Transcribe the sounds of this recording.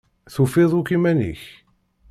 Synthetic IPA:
θufɪðˤukimænḭç

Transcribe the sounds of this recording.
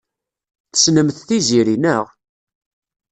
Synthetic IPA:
θə̥snəmθθiziɾinəʁ

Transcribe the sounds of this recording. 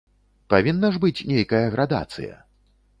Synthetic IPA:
pavʲinːɐʐbɨt͡sʲnʲejkɐjɐɣɾʔad̪a̰t̪sɨ̰jɐ̰

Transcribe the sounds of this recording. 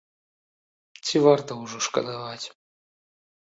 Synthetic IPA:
t͡sʲivart̪ɐwʐɔʂkɐ̰d̪avat͡sʲ

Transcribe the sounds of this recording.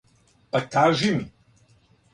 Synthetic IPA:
ɐtʰaːʒʷimi

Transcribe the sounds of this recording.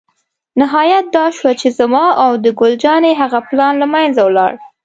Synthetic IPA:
nɪɦɑjat̪̚d̪ɑʃwat͡ʃezamɑawd̪əɡʊld͡ʒɑneɦaɣaplɑnlamajnzawlɑ̰ɽ

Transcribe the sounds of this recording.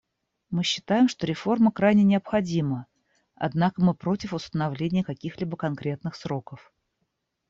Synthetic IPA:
mɨɕːɪ̥t̪ajɪmʂt̪o̞ɾʲɪfo̞rməkɾajnʲɪnʲɪɐpxɐdʲimə | ɐ̰d̪nakəmɨpɾo̞tʲɪfʊst̪ənɐvlʲenʲɪjəkɐkʲixlʲibəkɐnkɾʲe̞t̪nɨxsɾo̞kəf

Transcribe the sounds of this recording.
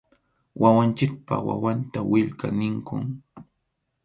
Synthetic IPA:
wawant͡ʃɪk̚pa̰χwa̰want̪awɪʎkanɪŋkʊŋ

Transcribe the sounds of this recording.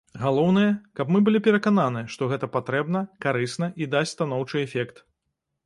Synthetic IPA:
ɣalˠɔwnɨjɐkɐpmɨbɨlʲipʲɛɾɐkananɨjɐʂt̪ɔɣɛt̪ɐpat̪ɾɛbn̪ɐkaɾɨsnɐʔid̪asʲst̪anɔwt͡ʂɨɛfʲɛkt̪

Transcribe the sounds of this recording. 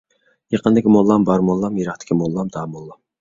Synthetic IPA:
jeqənd̪ɪkʲimolˠːɑmbɑɾmolˠːɑmjeɾɑχt̪ʰɪ̥kʲʰimolˠːɑmd̪ɑːmolˠːɑm

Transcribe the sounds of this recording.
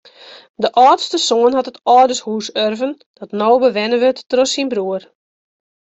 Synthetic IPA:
dəʔɔːtstəsoənɦɔtətɔːdəshuːsørvən | d̥ɔtnoːbəʋɛnəʋətːrɔsinbruər

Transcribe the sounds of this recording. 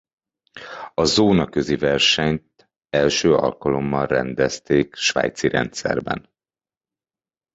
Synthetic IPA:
ɒzoːnɒkø̞zivɛrʃɛɲt̪ | ɛlʃøːʔɒ̰lkɒlo̞mːɒnrɛnd̪ɛst̪eːkʃʋa̰ːjt̪siɾɛ̰nt̪sɛ̰rbɛ̰n

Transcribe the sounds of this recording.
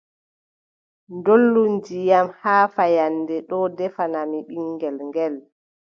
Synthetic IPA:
ndolːund͡ʒijamhaːfajandɛɗɔdɛfanamiɓiŋɡɛlŋɡɛl

